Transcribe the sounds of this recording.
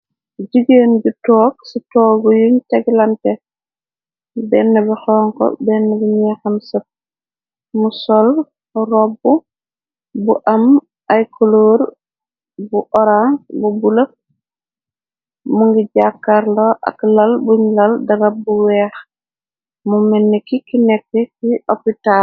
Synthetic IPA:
d͡ʒiɡeːnɟutɔːɡ̚sitɔːɡujuɲtɛɡlɐntɛ | bɛnːɐbɛxɔːŋkɔ̰bɛnːɐbiɲɛxɐmsɐp̚ | musɔl | rɔbːu | buʔɐm | ajkoloːɾ | buʔɔɾaŋbubulək̚ | muŋɡiɟakːaɾlɔʔa̰klɐlbuɲlɐldɐɡabuwɛːx | mumɛnːɛkikinɛkːɛkiʔopita

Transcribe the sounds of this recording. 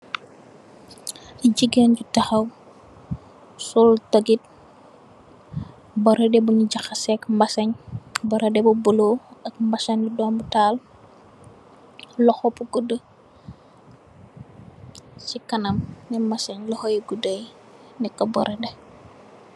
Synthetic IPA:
ɟiɡənɟutɐxɐw | sultɐɡit̚ | bɔɾedɛbuɲuɟɐxɐsɛkmbɐsɐɲbɔɾɐdɛbubuloɐk̚mbɐsɐɲidɔːmbutaːl | lɔxɔpuɡudə | sikɐnɐmnɛmɐsɐɲlɔxojiɡudəj | nɛkːɐbɔɾede

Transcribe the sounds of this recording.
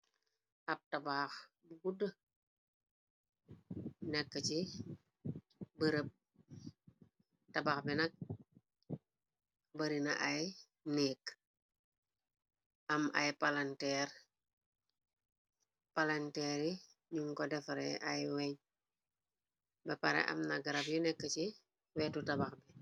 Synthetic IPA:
ʔɐp̚tabaːx | buɡudə | nɛkːəci | bəɾəp̚ | tɐbaxbinɐk̚ | bəɾinaʔaj | neːk | ɐmʔa̰jpalantɛɾ | palantɛːɾi | ɲuŋkɔdɛfɐɾɛʔa̰jwɛɲ | bɐpaɾɛ̰ʔɐ̰mnaɡaɾabjunɛkːəci | wɛːtutɐbaxbi

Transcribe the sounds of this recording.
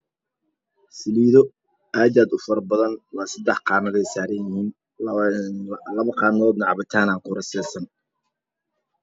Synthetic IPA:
sɪliːðɔ | aːdaːd̪ʊfɐɾbɐðɐnwɑːsɐd̪ɛħqɑːnɐðɛjsaːɾɐnjɪhiːn | lɐβɐqɑːnɔːd̪nɐʕɑβɐt̪ʰaːnaːqʊɾɐsɛːsɐn

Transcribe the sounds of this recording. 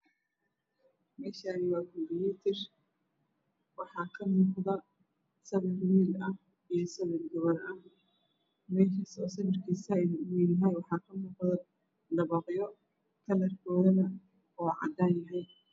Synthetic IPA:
mɛːʃaːnɪwaːkʰɔmbɪjɛt̪ʰɛr | wɑħɑːkʰɐmʊːqðɐ | sɐβɪrwiːlɐh | ijɞsɐβɛlɡɔβɐlɐh | mɛːkɐsɔːsɐβɐrkʰiːsɐjlwiljɐɦɛjwɑħɑːkʰɐmʊːqðɐ | d̪ɐβɑːqjɔ | kʰɐlɐrkʰɔːðɐnɐ | ɔːʕɑ̰d̪aːnjɐɦɛj

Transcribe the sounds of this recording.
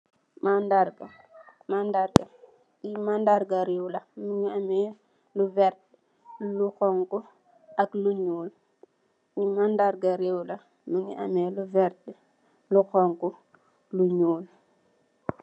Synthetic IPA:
mandaɾɡa | mandaɾɡɐ | imandaɾɡaɾɛwlɐnuɲiamɛ | luvɛɾtɛ | luxɔŋkɔ | ɐkluɲuːl | imandaɾɡaɾɛwlɐ | luɲiʔa̰mɛːluvɛɾtɛ | luxɔŋku | luɲuːl

